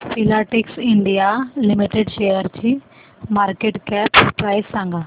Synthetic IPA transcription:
filaʈiksɪɳɖijalimiʈeɖʃejəɾt͡ɕi | maːɾkeʈkɛpːɾaːjsːãŋɡa

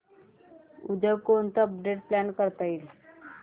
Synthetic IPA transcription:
ud̪ʱəkont̪əəp̚ɖeʈ̚plankəɾt̪ail

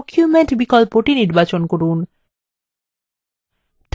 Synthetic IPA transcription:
kʰjumeɳʈbikɔlpɾoʈiniɾbat͡ɕonkoɾun | t̪

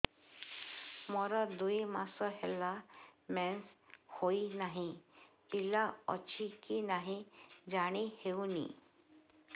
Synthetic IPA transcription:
mɔɾad̪uimasɔhɛlamɛnshoinaɦi | pilaɔ̰t͡ɕikinaɦid͡ʑaɽ̃iheunḭ

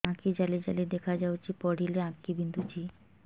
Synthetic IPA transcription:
ãkid͡ʑalid͡ʑalid̪ekʰad͡ʑawt͡ɕʰipɔɽ̤ʱileãkibind̪ʱut͡ɕʰi

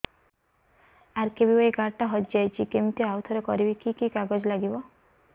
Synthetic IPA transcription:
aɾkebibɔekaɾʈaɦɔt̪d͡ʒajt͡ʃʰikemt̪ioawt̪ʰɔɾekɔɾibikikikaɡɔd͡ʒlaɡibɔ

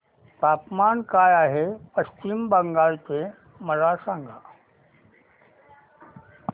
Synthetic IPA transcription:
t̪aːpmaːnkaːjaːɦepəst͡ʃimbəŋɡaːɭte | məɾasãːŋɡʱa

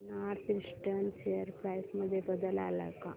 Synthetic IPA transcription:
naːɾt̪ʰɾiʂʈɐnsejəɾpɾajsmɐd̪ʱjebəd̪əla̰ːlɐ̰ka̰

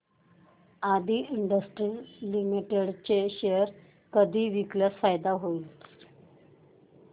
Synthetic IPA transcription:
ad̪ʱiːiɳɖəsʈɾilimiʈeɽt͡ɕeɕejəɾ | kəd̪ʱiːʋikljasfajd̪aɦoil

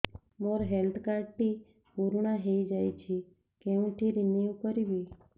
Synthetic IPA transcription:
moɾɦelt̪ʰkaɾʈi | kuɾuɳaɦejd͡ʒajt͡ʃʰi | kɛũʈ̪ʰiɾiniukəɾiʋi

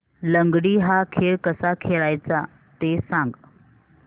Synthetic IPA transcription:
ləŋɡɽiɦakʰeɭkəsakʰeɭajt͡sa | t̪esãŋɡ

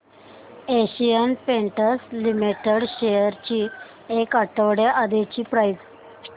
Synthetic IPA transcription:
eɕijənpẽɳʈəslimiʈeɽɕejəɾt͡ɕiː | ekaʈəʋɽeʔad̪et͡ɕiːpɾajt

